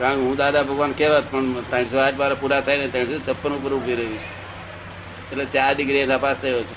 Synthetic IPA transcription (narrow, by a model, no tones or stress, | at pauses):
kãːɳkɦũːd̪aːd̪abʱəɡʋaːnkeʋt̪pəɳt̪ãːɳsoaːʈmaːɾapuɾat̪ʰəinẽt̪ãʈsot͡ʃʰəpːənupəɾʊbʱiɾəɦũt͡ʃʰe̥ | et̪let͡ʃaːɾɖɪɡɾinapaːst̪ʰəjot͡ʃʰe